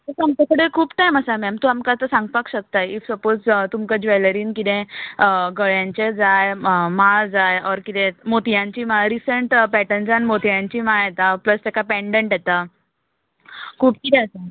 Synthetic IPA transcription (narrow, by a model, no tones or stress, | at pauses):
əsamt͡ɕakəɽekʰuːpt̪ajməsamɛmt̪oamkat͡səsãŋɡpakɕək̚t̪ajifsəpod͡zt̪umkad͡ʑʋɛləɾiːnkit̪ẽ | ɡəɭjãɲt͡ɕed͡zajmad͡zajɔɾkit̪ẽmot̪ʰjãɲt͡ɕiːmaɾisəɳʈpɛʈənd͡zanmot̪ʰjãɲt͡ɕiːmaet̪apləst̪ekapɛ̃ɳɖəɳʈjɛt̪a | kʰuːp̚kit̪ɛasa